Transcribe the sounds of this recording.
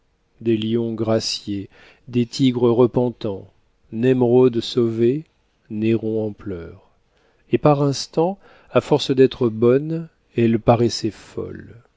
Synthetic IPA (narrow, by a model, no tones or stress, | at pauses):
d̪eljɔ̃ɡʁasje | d̪et̪ʰiɡʁəʁəpɑ̃t̪ɑ̃ | nɛmʁod̪sove | neʁɔ̃ɑ̃plœːʁ | epaʁɛ̃st̪ɑ̃ | afɔʁsd̪ɛt̪χəbɔn | ɛlpaʁɛsɛfɔ̰l